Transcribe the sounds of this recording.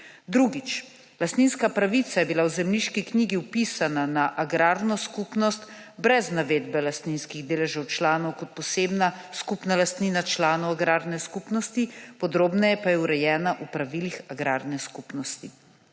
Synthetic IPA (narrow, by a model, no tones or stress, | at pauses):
d̪ɾuɡit͡ʃ | last̪ninskapɾaʋit̪sajɛbilawzɛmliʃkikniːɡiupisananaʔaɡɾaːɾnɔskupnɔst̪ | bɾɛznaʋeːd̪bɛlast̪ninskiɣd̪eːlɛʒawt͡ʃlaːnɔwkɔt̪̚pɔseːbnaskupnalast̪niːnat͡ʃlaːnɔwaɡɾaːɾnɛskupnɔst̪ipɔd̪ɾoːbnɛjɛpajɛuɾɛjɛːnaʔupɾaʋilixaɡɾaːɾnɛskupnɔst̪i